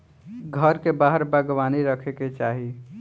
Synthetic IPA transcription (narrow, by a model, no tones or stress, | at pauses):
ɡʱəɾkebaɦəɾbəɡʋaniɾəkʰeket͡ʃaːɦi